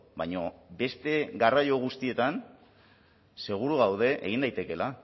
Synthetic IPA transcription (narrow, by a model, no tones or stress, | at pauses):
bajɲo̞be̞st̪e̞ɣarajo̞ɣ̞ust̪ie̞t̪an | se̞ɣ̞uɾuɣawð̞e̞ʔḛɣ̞ind̪ajt̪e̞ke̞la